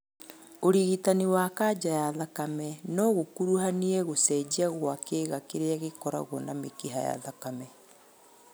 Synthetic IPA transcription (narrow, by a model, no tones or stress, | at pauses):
oɾiɣitaniwaːkad͡ʑajaðakamɛnɔɣokuɾuhaniɛɣosɛd͡ʑiaɣwakeːɣakeɾeaɣekɔɾa̰ɣwɔnamekiɦa̰ja̰ðakamɛ